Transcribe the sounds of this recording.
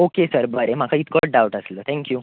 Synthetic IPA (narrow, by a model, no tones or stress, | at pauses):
okesəɾbəɾem̤akʰəit̪kəʈ̚ɖawʈəslət̪ʰɛ̃ŋkjuː